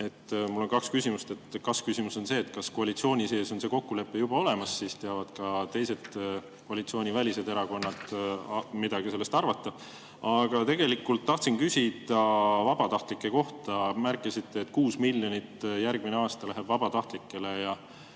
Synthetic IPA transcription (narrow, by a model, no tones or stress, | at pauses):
e̞t̪ːmulːo̞nkɑkskysʲimust̪e̞t̪ːkɑskysimuso̞nse̞ːt̪ːkɑsko̞ɑlit̪sio̞ːnʲise̞ːso̞nse̞ːko̞kːule̞pːe̞jub̥ɑo̞le̞mɑsːiːst̪e̞ɑvɑd̪kɑt̪e̞jse̞d̪̥ | koɑlit̪sio̞ːnʲivælise̞d̪e̞ɾɑko̞nːɑd̪̥ | mid̪ɑɡise̞lːest̪ɑrvɑt̪ˑːɑ | ɑɡ̥ɑt̪e̞ɡ̥e̞likːult̪ːɑht̪sinkysʲid̪̥ɑvɑb̥ɑt̪ɑht̪likːˑe̞ko̞ht̪ɑmærkːˑisit̪ːeːt̪ːkuːsmilːjo̞nit̪jærɡmineɑːst̪ɑlæɦe̞bvɑb̥ɑt̪ɑht̪likːˑe̞le̞jɑ